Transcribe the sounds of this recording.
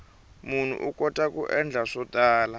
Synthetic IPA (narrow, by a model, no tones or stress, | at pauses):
mun̤ṵʔukʼɔtʼakʼuʔɛnd͡ɮʱaʂɔtʼaːla